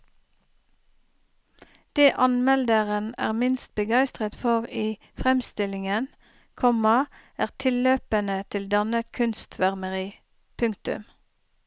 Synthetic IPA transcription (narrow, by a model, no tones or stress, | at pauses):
d̪̥eːʔɑnmɛld̪əʁənæ̰ːʁmɪnst̪̚bəɡæɪst̪ʁət̪fɔʁiː | fʁɛmst̪ɪlɪŋən | kʰɔmɑ | æːʁt̪ʰɪlːøːpənət̪ʰɪld̪ɑnət̪kʰʉnst̪ʰʋæʁməʁiː | pʰʉŋkt̪ʉ̰m